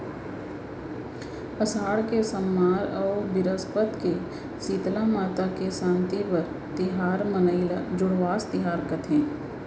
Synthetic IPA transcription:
əsaːɽkesəmːaːɾɔːbɪɾəspət̪ke | siːt̪lamaːt̪akesãːnt̪ipɐɾ | t̪ɪɦaːɾmənəilad͡ʒʊɽʋaːst̪ɪɦaːɾkət̪ʰẽː

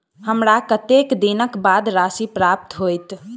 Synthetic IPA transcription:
həmɾakət̪ekd̪inəkbad̪ɾasipɾap̚t̪ɦojt̪

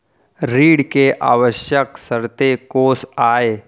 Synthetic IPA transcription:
ɾiːɽkeʔa̰ːʋəʃjəksəɾt̪ekoːsaːe

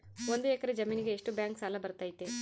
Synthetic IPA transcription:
ond̪uɛkɐɾed͡ʒɐmiːniɡeːʂʈubjaːŋksaːlɐbɐɾt̪aːjit̪e

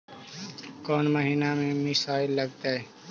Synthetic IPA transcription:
kɔːnməɦinamẽmɪsaːɪlːɐɡ̚t̪aɦɛː

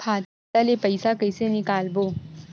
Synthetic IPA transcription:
kʰaːt̪ | alepəjsakəjsenɪkaːlboː

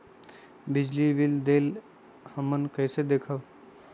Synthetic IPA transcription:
bɪd͡ʒliʋild̪eːl | həmənkɛːsed̪eːkʰaʋ

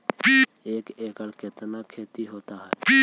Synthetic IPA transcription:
eːkeːkəlket̪nakʰeːt̪iɦoːt̪aɦɛː

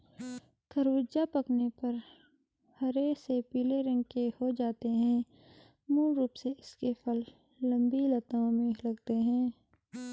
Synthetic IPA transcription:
kʰəɾʋʊd͡ʒapɐknepɐɾ | hɐɾesepiːleɾɐ̃ŋɡkehod͡ʒaːt̪eɦɛ̃ː | muːlːuːpseɪskefʰɐlː | ə̃mbilɐt̪õmẽlɐɡt̪eɦɛ̃ː

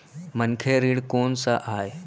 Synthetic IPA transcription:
mənkʰeɾiɽkonsaʔaj

